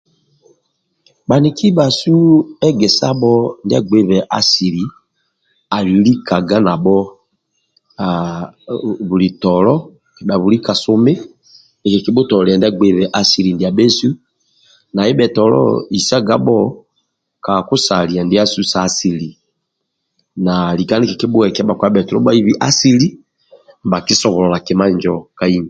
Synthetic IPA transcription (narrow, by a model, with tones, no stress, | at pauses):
ɓa˨ni˨kʰi˦ɓa˨su˦ɛ˦ɡɛ˨sa˦ɓɔ˦nda˦˨ɡ͡be˦βɛ˨ʔa˨si˨ɾi˨˦ | a˨lli˦ka˨ɡa˦na˨ɓɔ˦ | a˨ | βu˨li˨tɔ˨lɔ˦˨ | ɗa˨βu˨ɾi˦ka˨sʊ˦mɪ˦ | ne˨ke˨ki˦bʊ˦tɔ˨lɛ˨ndɛ˦ɡ͡be˦βɛ˦ʔa˦si˨li˨ndi˨a˨be˦su˦ | na˨e˦bɛ˨tɔ˨lɔ̰˦i˨sa˦ɡa˦bɔ˦ | ka˨ku˦sa˨li˨a˨nde˦a˦su˦sa˨˦si˨li˨ | na˨li˨ka˦ne˦kɛ˨ki˦bʊ˦ɛ˨kɛ˦ba˨kwa˦bɛ˨tɔ˨ɾɔ˦ba˦i˦βi˦ʔa˦si˦li˦˨ | ba˨ki˦sɔ˨βɔ˨lɔ˨la˨ke˨ma˦˨ɲd͡ʒɔ˨ka˦i˦ɲ˨